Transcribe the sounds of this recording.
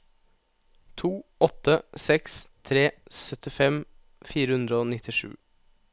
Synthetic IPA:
t̪ʰuːɔt̪əsɛkst̪ʰɾeːsœt̪ɪfɛm | fiːɾəʉnd̪ɾəoːnɪt̪ɪʂʉ̰ː

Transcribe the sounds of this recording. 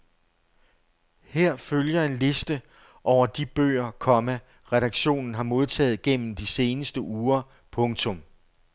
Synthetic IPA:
heɐ̰føljɐe̝nle̝sd̥ə | ʔɒʊ̰ɐd̥ib̥ø̰ːɐkʰɒ̽mæ | ʁɛɾ̥ɑ̈ɡ̥ɕo̝̰ːnn̩ɦɑ̈mo̝ð̞ˠt͡sʰɛ̰ːð̩ˠɡ̥en̰m̩d̥ise̝ːnəsd̥əʔuːɐ | pʰɔ̽ŋt͡sʰɔ̽m

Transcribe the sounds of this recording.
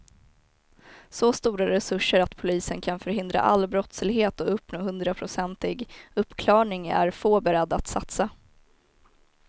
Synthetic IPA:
sɔst̪uːɾaɾɛsɵʂːəɾat̪pʰʊliːsənkʰanfœɾɦɪnd̪ɾa̰ʔalːbɾɔt̪slɪɡheːt̪ɔɵpːnoːɦɵnd̪ɾapʰɾʊsɛnt̪ɪɡɵpːkʰlɑːɳɪŋæ̰ɾfoːbɛɾɛd̪ːat̪sat̪sa

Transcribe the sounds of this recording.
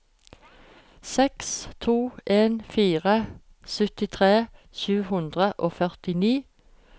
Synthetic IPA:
sɛkst̪ʰuːʔeːnfiːʁə | sœt̪ɪt̪ʰʁeː | çʉːhʉnd̪ʁəʔoːfœʁt̪ɪniː

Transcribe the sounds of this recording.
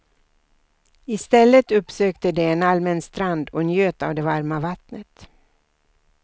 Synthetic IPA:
ɪst̪ɛlːət̪ɵpːsøːkt̪əd̪ɛːnalmɛnst̪ɾand̪ɔnjøːt̪a̰vd̪ɛvaɾmavat̪nət̪

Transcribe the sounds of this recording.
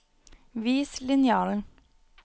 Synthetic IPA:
ʋiːslɪnjɑːln̩

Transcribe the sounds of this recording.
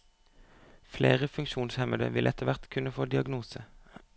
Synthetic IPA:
fleːʁəfʉŋkʃuːnshɛməd̪ə̰ʋɪlʔɛt̪əʋæʁt̪kʰʉnəfoːd̪ɪɑɡnuːsə

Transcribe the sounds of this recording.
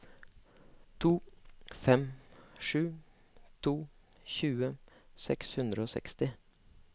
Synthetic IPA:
t̪ʰuːfɛmʂʉː | t̪ʰuː | çʉːəsɛkshʉnd̪ɾəoːsɛ̰kst̪ɪ

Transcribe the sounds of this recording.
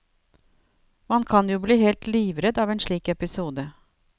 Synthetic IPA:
oːhɑnkʰɑnjuːbliːhɛlt̪liːʋɾɛd̪ɑːʋeːnʂɭiːkɛpɪsuːd̪ə

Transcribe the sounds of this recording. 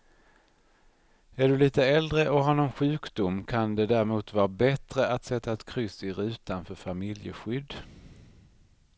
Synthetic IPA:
æɖɵliːt̪əɛld̪ɾəʔɔɦaɳɔnɧʉ̟ːkd̪ʊmkʰand̪ɛd̪æːɾmuːt̪vɑːɾabɛt̪ɾəʔat̪sɛt̪ːaɛt̪kʰɾʏsɪɾʉ̟ːt̪anfœɾfamɪljə̰ɧʏd̪ː

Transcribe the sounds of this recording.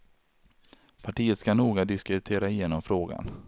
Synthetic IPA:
pʰaʈiːət̪skanuːɡad̪ɪskɾɪt̪ʰeːɾaɪjeːnɔmfɾoːɡa̰n

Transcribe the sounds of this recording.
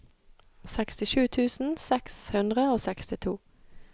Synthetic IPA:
sɛkst̪ɪʃʉːt̪ʰʉːsn̩sɛkshʉnd̪ʁəoːsɛkst̪ɪt̪ʰṵː

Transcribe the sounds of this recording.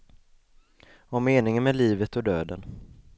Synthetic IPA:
ɔmeːnɪŋənmɛliːvət̪ɔd̪øːd̪ə̰n

